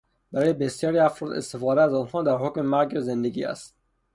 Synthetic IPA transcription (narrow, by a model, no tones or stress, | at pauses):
b̥æɾɒːjebesjɒːɾiːæfɾɔːd̪ḛst̪efɒːd̪ææzɒːnhɒːd̪æɾɦokʲmemæɾɡezend̪eɡḭːæ̰st̪̚